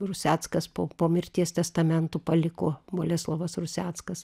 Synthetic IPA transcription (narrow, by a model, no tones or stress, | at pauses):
rʊsʲæːt̪skɐspoːpoːmʲɪɾʲt̪ʲiɛst̪ʲɛst̪ɐmʲɛnt̪uːpɐlʲɪkoːboːlʲɛslˠoʋɐsrʊsʲæːt̪skɐs